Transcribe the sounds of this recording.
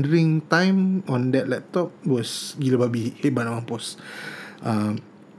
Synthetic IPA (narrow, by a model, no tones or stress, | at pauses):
ndəɹĩŋtãj̃mɔ̃ndɛt̚lɛp̚t̪ɔp̚wɔsɡiləbabihebanawãmpɔs | ʔam